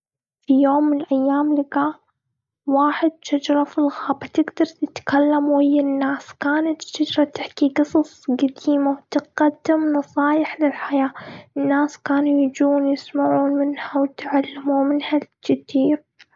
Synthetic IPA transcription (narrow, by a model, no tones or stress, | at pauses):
fijoːmːɪnɪlʔajːaːmlɪɡa | waːħɪd̪̚ʃad͡ʒɾˤɑfilɣaːbat̪ɪɡd̪ɑɾˤt̪ɪt̪kalːamhɪjːanːaːskaːnat̪ʃad͡ʒɾˤɑt̪ɪħkiɡɨsˤɑsˤɡad̪iːmawt̪ɪɡad̪ːɪmnɑsˤɑːjɪħlɪlħajaːɪnːaːskaːnujɪd͡ʒuːnjɪsmaʕuːnmɪnhawt̪ʕalːamuːmɪnhat͡ʃɪt̪iːɾ